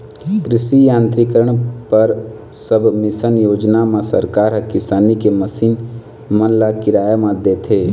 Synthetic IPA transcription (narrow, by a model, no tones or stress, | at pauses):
kɾɪsijãːnt̪ɾikəɾəɳ̃pəɾ | səbʱmɪsənjoːd͡ʒnamãsə̰ɾkaːɾɦəkɪsaːnikeməsiːn | mənlakɪɾaːjamãd̪eːt̪ʰeː